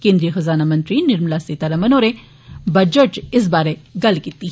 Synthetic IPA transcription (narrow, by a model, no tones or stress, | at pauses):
kẽːnd̪ɾijexɐzaːnamɐ̃nt̪ɾinɪɾmlaset̪ɐɾɐmɐnoːɾe | bɐd͡ʒəʈt͡ʃɪs̬baːɾeɡɐlkiːt̪ːi